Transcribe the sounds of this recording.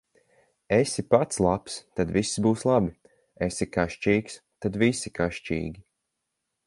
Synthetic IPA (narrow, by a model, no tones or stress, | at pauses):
esipat̪slˠapst̪ad̪visːbuːslˠabi | esikaʃt͡ʃiːks | t̪ad̪visikaʃt͡ʃḭːɡʲi